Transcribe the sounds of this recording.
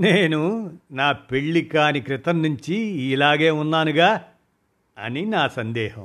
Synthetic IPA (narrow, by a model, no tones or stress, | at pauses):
neːnunaːpeɭːikaːnikɾit̪ɐnːuɲt͡ʃiiːlaːɡeːunːaːnuɡaː | ɐ̰ninaːsɐnd̪ɛːhɐ̰m